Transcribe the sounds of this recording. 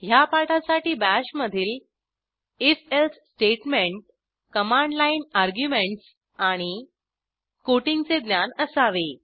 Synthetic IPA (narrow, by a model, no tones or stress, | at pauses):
japaʈʰasaʈiːbæɕməd̪ʱiːl | eselssʈeʈmeɳʈ̚ | kəmãɳɖlainaɾɡjumeɳʈs | aɽ̃i | koʈiŋɡt͡sed̪njanəsaʋe